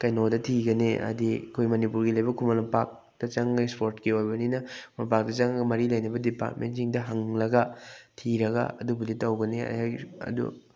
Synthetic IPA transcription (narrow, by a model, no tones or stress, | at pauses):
kɐjnodɐtʰiɡɐniʔɐ̰dikʰojmɐnipuɾɡilɐjbɐkʰumɐlmɐpak̚ | d̥ɐt͡ʃɐŋespoɾtkiojbɐninɐkmɐpak̚dɐt͡ʃaŋɡɐmɐɾilɐjnɐbɐdipa̰ɾtmentsiŋdɐɦɐŋlɐɡɐtʰiɾɐɡɐ̰ɐ̰dubɐditːɐwɡɐneɐ̰ajɐ̰dṵ